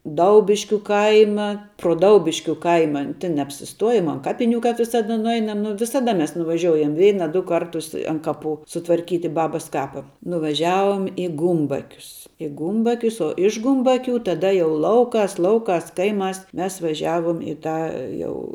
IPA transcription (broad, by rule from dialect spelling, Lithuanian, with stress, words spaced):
ˈdɐʊbʲɪʃʲkʲʊ ˈkɐɪmɐ proː ˈdɐʊbʲɪʃʲkʲʊ ˈkɐɪmɐ tʲɪn nʲɛɐpʲsʲɪsˈtuɔjoːm ɐn ˈkɑːpʲɪnʲʊ kɐp ʋʲɪsɐˈdɐ nʊˈɛɪnɐm ˈnʊ ʋʲɪsɐˈdɐ ˈmʲɛs nʊʋɐˈʒʲoːʊjɛm ˈʋʲɛɪnɐ ˈdʊ ˈkɐrtʊs ɐn ˈkɑːˌpʊ sʊtʋɐrʲˈkʲiːtʲɪ ˈbɑːbɐs ˈkɑːpɐ nʊʋɐˈʒʲæːʋoːm ɪ ˈɡʊmbɐkʲʊs ɪ ˈɡʊmbɐkʲʊs oː ɪʃ ˈɡʊmbɐˌkʲʊ tɐˈdɐ jɛʊ ˈlˠɐʊˌkɑːs ˈlˠɐʊˌkɑːs ˈkɐɪˌmɑːs ˈmʲɛs ʋɐˈʒʲæːʋoːm ɪ ˈtɑː ˈjɛʊ